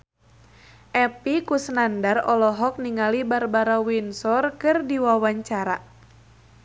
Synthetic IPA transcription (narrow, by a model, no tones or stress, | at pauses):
ʔɛpikusnandarɔlɔɦɔk̚niŋalibarbaɾawinsɔrkɨrdiwawaɲt͡ʃaɾa